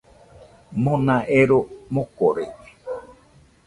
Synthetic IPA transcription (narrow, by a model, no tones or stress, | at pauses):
mõnãʔeɾomõkoɾei